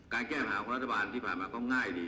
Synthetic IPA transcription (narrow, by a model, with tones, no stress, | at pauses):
kaː˧nkɛː˥˩mhaː˨˦kɔ˨˦ɾa˥t̪ʰːa˧baː˧nt̪ʰiː˥˩pʰaː˨˩nmaː˧kɔː˥˩ŋaː˥˩jdiː˧